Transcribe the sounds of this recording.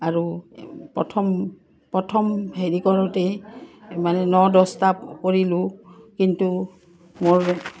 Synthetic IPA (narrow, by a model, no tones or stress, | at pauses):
aɹupɔtʰɔm | pɹɔtʰɔmheɹikɔɹɔtɛ | manɛnɔdɔstapkoɹilʊkintu | moɹ